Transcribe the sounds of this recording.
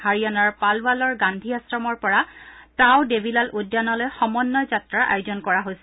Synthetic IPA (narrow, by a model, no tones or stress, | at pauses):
haɹiɔnaɹpalbalɔɹɡandʱiasɹɔmɔɹpɔɹatãʊdebilalʔudːanɔlojxɔmɔnːɔjzatɹaʔa̰jʊzɔnkɔɹaɦojsɛ